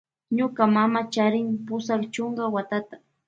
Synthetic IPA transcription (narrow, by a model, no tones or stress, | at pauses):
ɲʊkamamat͡ʃaɾɪŋpʊsakt͡ʃʊŋɡawat̪at̪ḁ